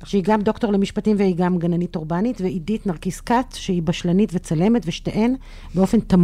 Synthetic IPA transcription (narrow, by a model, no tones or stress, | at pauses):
ʃehiɡamdo̞kto̞ʁlemiʃpatimvehiɡamɡananitoʁbanitveiditnaʁkiskatʃehibaʃlanitvet͡sale̞metveʃteʔen | beo̞fe̞nt̪am